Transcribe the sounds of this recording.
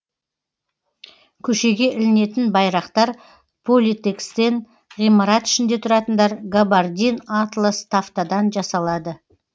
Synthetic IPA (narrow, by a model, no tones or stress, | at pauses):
kʲʰɵʃe̞ɡʲe̞ʔɪlɪne̞t̪ɪnbɑjɾɑqt̪ɑɾ | pʰolʲit̪e̞kst̪e̞n | ʁijmɑɾɑt̪ɪ̥ʃɪnd̪e̞t̪ʰʊɾɑt̪ənd̪ɑɾɡabard̪ʲinat̪lˠost̪ʰaft̪ad̪ɑnʒɑsɑlˠɑd̪ə